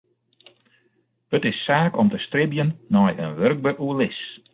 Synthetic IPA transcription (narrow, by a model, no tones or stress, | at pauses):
ətɪsːaːkɔmtəstrɪbjənːɔjə̰nʋørɡ̚bəʔuəlɪs